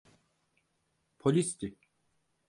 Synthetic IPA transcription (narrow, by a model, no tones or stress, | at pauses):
pʰolʲist̪ik̚ʲ